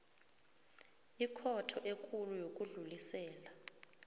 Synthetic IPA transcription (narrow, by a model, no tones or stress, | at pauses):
ikʰɔtʰɔʔekʰʼulujok̬ʼuɮulisɛːla